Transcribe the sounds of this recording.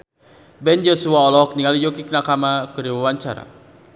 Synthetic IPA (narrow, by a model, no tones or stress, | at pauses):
bɛnd͡ʒɔsuaɔlɔk̚niŋalid͡ʒɔkiknakamakɨɾiwawaɲt͡ʃa̰ɾa̰